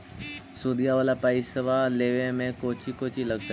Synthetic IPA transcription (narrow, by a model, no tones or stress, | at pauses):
suːd̪ijaʋəːlapaːisɐʋaleːʋẽmẽkoːt͡ɕikoːt͡ɕilɐɡ̚t̪